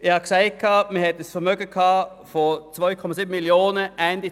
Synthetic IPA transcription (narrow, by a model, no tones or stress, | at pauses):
ʔɪɑksæɪkʰɑmɛhɛt̪əsfɔmøɡəkʰɑː | fɔt̪ʰʋoʏkʰɔmɑsyːbm̩mɪlɪuːnəæɪnd̪ɪ